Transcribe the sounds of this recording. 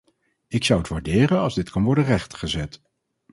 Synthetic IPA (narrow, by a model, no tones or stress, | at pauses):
ɪksʌwətʋaːɹdɪːrənɑlˠzdɪtkɑnʋɔɹdərɛχtχəzɛt